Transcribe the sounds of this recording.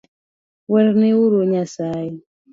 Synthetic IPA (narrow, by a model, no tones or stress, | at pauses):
wɛɾnewuɾoɲasai